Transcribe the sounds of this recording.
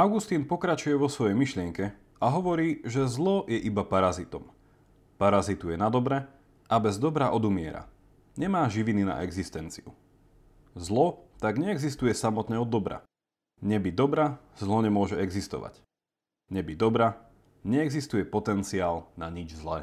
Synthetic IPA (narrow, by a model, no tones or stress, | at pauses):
aʊɡust̪iːnpɔkɾat͡ʃujɛʋɔsʋɔjɛjmiʃlɪɛŋkɛ | aɦɔʋɔɾiːʒɛzlɔjɛʔibapaɾazit̪ɔm | paɾazit̪ujɛnad̪ɔbɾɛ | ʔabɛzd̪ɔbɾaʔɔd̪umɪɛ̰ɾa̰ | ɲɛmaːʒiʋinina̰ʔɛɡzist̪ɛnt͡sḭṵ | zlɔt̪aɡɲɛɛɡzist̪ujɛsamɔt̪ɲɛɔd̪ːɔbɾa̰ | ɲɛbid̪ɔbɾazlɔɲɛmʊɔʒɛɛɡzist̪ɔ̰ʋa̰c | ɲɛbid̪ɔbɾa | ɲɛɛɡzist̪ujɛpɔt̪ɛnt͡siaːlnaɲid͡ʒzlɛ̰ː